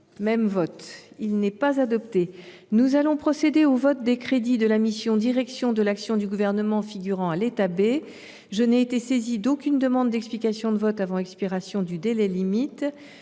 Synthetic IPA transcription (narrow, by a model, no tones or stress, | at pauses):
mɛmvɔt̪ilnɛpazad̪ɔp̚t̪e | nuzalɔ̃pχɔsed̪eovɔt̪̚d̪ekχed̪id̪əlamisjɔ̃d̪iʁɛksjɔ̃d̪əlaksjɔ̃d̪yɡuvɛʁnəmɑ̃fiɡʲyʁɑ̃alet̪abe | ʒənɛet̪esezid̪okʲynd̪əmɑ̃d̪ːɛksplikasjɔ̃d̪əvɔt̪avɑ̃ɛkspiʁasjɔ̃d̪yd̪elɛlimit̪